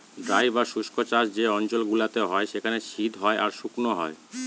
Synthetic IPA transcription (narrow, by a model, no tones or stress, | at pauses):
dɾajbaʃuʃkot͡ɕasd͡ʑeɔnt͡ɕolɡulat̪eɦɔeʃekʰaneʃid̪ʱɦɔeʔaɾʃuknoɦɔ̰e